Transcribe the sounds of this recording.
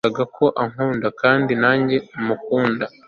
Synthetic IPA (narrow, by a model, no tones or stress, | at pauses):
aɡakʰo̞ʔaŋ̥huːndakaːndinaːɲɟe̞mukuːnda